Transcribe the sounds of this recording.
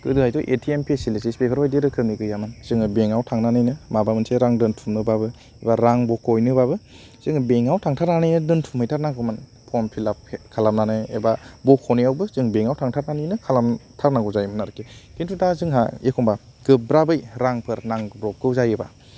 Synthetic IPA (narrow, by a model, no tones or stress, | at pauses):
kɯdɯhajtɔʔetʰiempʰesilisispepʰɯɾbajdeɾɯkʰɯmniɡɯjamɯnz̥ɯŋɯbeŋawtʰaŋnanɯjnɯmabamɯnseɾaŋdɯntʰumnɯbabɯ | ebaɾaŋbɔkʰːojnɯbabɯ | z̥ɯŋbeŋawtʰaŋtʰaɾnanɯjnɯdɯntʰumhɯjtʰaɾnaŋɡɔmanpʰɔmpʰilapkʰalam̚nanɯḛbabɔkʰːoniawbɯzɯŋbeŋawtʰaŋtʰaɾnanɯjnɯkʰalamtʰaɾnaŋɡɔwzajmanaɾɯkʰekintʰudazɯŋɦa̰ekʰɔŋbaɡ̥ɯbɾabɯjɾaŋpʰɯɾnaŋbɾɔp̚ɡɯwzajɯba̰